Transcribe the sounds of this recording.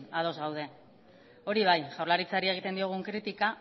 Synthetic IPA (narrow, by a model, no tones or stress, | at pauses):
að̞o̞zɣawð̞e̞ | o̞ɾiβ̞ajʝawɾlaɾit͡saɾie̞ɣit̪e̞nd̪io̞ɣ̞uŋkɾit̪ika